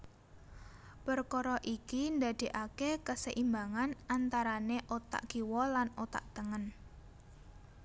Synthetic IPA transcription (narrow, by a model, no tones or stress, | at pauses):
pərkɔɾɔʔikind̪a̤d̪̥e̤ʔakekəsəʔimbaŋanʔant̪aɾaneʔot̪a̰ʔɡ̥iwɔlanot̪a̰ʔt̪əŋən